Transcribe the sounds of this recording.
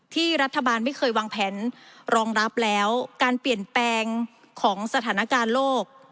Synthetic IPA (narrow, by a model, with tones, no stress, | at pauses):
t̪ʰiː˥˩ɾa˦˥t̪ʰːa˧baː˧nma˥˩jkʰɤː˧jwaː˧ŋpʰɛː˩˦nɾɔː˧ŋɾa˦˥p̚lɛː˦˥wkaː˧npli˨˩ənplɛː˧ŋ | kʰɔː˩˦ŋsa˧t̪ʰaː˩˦na˦˥˩kaː˧nloː˥˩k̚